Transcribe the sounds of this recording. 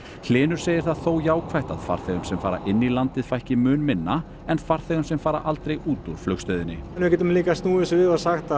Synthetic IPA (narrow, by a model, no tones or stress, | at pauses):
l̥ɪːnʏɾ̥seːjɪɾ̥θaðθowjaːwkʰvajht̪a̰ðfa̰ɾ̥θɛɣʏmsɛmfaːɾa̰ʔɪnːilant̪ɪð̥fajhcɪmʏːnmɪnːa | ɛnfar̥θɛːɣʏmsɛmfaːɾa̰ʔalt̪ɾejuːt̪uɾ̥flœxst̪œːɥðɪnːɪnvʏcɛːt̪ʏmliːkast̪nuːɪsvɪðasaxt̪a